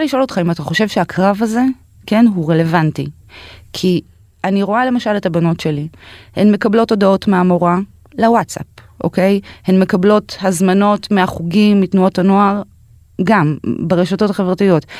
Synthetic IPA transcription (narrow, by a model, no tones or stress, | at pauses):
t͡saliʃo̞lo̞t̪χaimataχo̞ʃe̞vʃeakʰʁavaze̞ | ke̞nɦuʁe̞le̞vantḭ | kʰi | aniʁo̞ale̞maʃale̞tabano̞tʃe̞lihemme̞kablo̞todao̞tmeamo̞ʁa | lewatsa̰p̚ | ʔo̞̰kejhemme̞kablo̞thazmano̞tmeaχuɡimːitnuo̞tano̞aʁ | ɡambeʁeʃato̞taχevʁatijo̞t